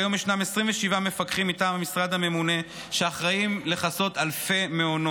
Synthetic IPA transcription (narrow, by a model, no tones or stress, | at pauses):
jo̞miʃnamesʁiɱveʃivamefakχimitaːmhamisʁad̪hame̞mune̞ | ʃeaχʁaimle̞χaso̞t̪alfe̞meono